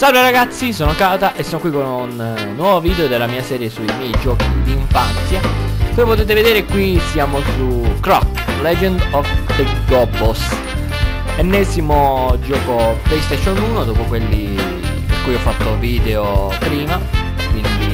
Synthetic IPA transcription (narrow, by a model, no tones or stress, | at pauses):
savɾaɾaɡat̪sːisoːnokaːt̪aʔesːoːnokwikonunːwɔːvoviːd̪eod̪elːamiːasɛːɾjesuimjɛjd͡ʒɔːkid̪iɱfant̪sjavɔmjpot̪eːt̪̬eved̪eːɾekwisjaːmosukɾɔ̰k | lɛd͡ʒɛnd̪ɔvd̪ə | ɡɔbos | ɛnːɛzimod͡ʒɔːkoplɛjst̪ɛʃonuːnod̪oːpokwelːi | ḭkːujɔfːat̪ːoviːd̪eo | pɾiːma | kwind̪i